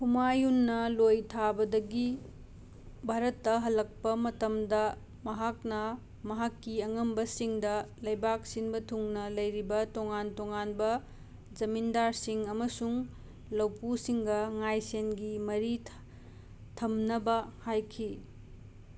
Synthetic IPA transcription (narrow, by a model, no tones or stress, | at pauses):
humajunːɐlojtʰabɐdɐɡi | bʱaɾɐtːɐɦɐlːɐk̚pɐmɐtɐmdɐ | mɐɦak̚nɐ | mɐɦakːiɐŋɐmbɐsiŋdɐlɐjbak̚sinbɐtʰuŋnɐlɐjɾibɐtoŋantoŋanbɐ | d͡ʒɐmindaɾsiŋɐmɐsuŋ | lɐwpusiŋɡɐŋajsenɡimɐɾi | tʰɐmnɐbɐhajkʰi